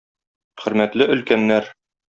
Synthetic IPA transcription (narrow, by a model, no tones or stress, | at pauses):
χɵ̆ɾmæt̪lɘʔɵ̆lkænːæɾ